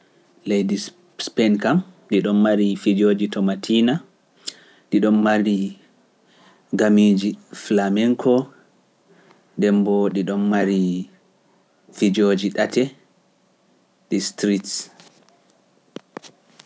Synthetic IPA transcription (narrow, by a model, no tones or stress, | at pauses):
lejdis | spɛnkamɗiɗɔnːaɾifid͡ʒoːd͡ʒitɔmatʰina | ɗiɗɔmmaɾi | ɡamid͡ʒiflamɛŋkʰɔ | dɛmbɔɗiɗɔnːaɾi | fid͡ʒod͡ʒiɗatɛ | ɗistɾits